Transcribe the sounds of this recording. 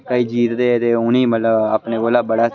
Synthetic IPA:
kəiːd͡ʒiːt̪ɾeɛt̪eːʊniːmət̪ləbaːpneɡoːlaːbəɽaː

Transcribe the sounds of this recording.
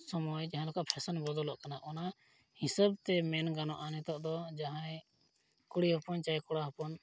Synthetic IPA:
sɔmɔjd͡ʒaɦãlɔkaʔpʰɛsənbɔd̪ɔlɔʔkanaʔɔna | hisəb̚t̪ɛmɛnɡanɔʔanɛt̪ɔʔd̪ɔd͡ʒaɦãɛ̃ | kuɽiɦɔpɔnt͡ʃajkɔɽaɦɔpɔn

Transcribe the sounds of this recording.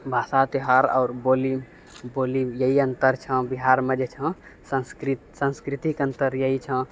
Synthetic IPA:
bʱasat̪eɦaɾa̰ʊɾbolim | bolimjəɦiənt̪əɾt͡ʃʰə̃biɦaɾmed͡ʒet͡ʃʰə̃ | sə̃skɾit̪sə̃nskɾit̪ikənt̪əɾjəɦit͡ʃʰə̃

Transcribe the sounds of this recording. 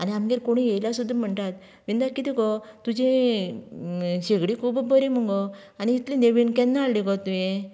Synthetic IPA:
aniamɡeɾkoɽ̃ijejljasud̪ʱːam̤əɳt̪at̪ | ʋind̪aɾkit̪ikɔt̪ud͡ʑẽ | ɕeɡɽikʰubbəɾiməŋɡɔ | aniːt̪lineʋinkɛnːaːɭliɡɔt̪uje

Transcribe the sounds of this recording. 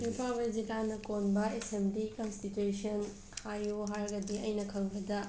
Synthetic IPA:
ipʰalbed͡ʒilanɐkonbɐesembdikɐnstitusiɐn | hajoɦaɾɡɐdiɐjnɐkʰɐŋbɐdɐ

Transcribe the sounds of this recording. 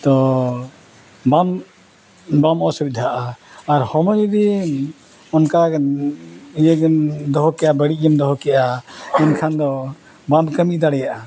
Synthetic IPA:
t̪ɔ | bam | bamɔsubid̪ʱaʔaaɾhɔmɔjɾi | ɔnka | jɛɡɛnd̪ɔɦɔkɛʔabəɽiʔ̚ɡɛmd̪ɔɦɔkɛʔaɛnkʰand̪ɔ | bamkəmiʔd̪aɽɛjaʔa

